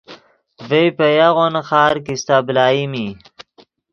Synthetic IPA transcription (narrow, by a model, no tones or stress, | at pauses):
vəjpəjaɣonxɑːɾkist̪ablɑːjimi